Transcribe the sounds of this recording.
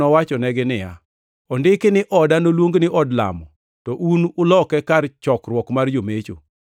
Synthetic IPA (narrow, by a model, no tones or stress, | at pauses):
ɔwat͡ʃɔnɛɡɪnɪja̰ | ɔndɪkɪnɪʔɔdanolwoŋɡnɪʔɔdla̰mɔ | tɔʔunʊlɔkɛkart͡ʃɔkrwɔkmard͡ʒomet͡ʃo̰